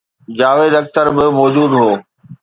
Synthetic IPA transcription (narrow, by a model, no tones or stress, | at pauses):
d͡ʑaːʋeːd̪ɐk̚t̪əɾbɪmɔːd͡ʑuːd̪ɦoː